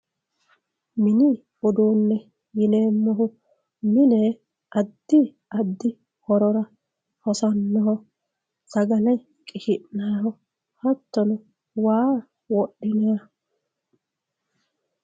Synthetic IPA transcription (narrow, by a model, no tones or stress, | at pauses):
mɪnɪ | ɔd̪oːnːɛ | jɪneːmːɔɦʊ | mɪnɛ | ʔɐd̪ːɪ | ʔɐd̪ːɪ | hɔɾɔɾɐ | hɔsɐnːɔɦɔ | tɐɡɐlɐj | kʼɪʃɪʔnaːhɔ | hɐt̪ːɔnʊ | waː | wɔɗːɪnɛjɐ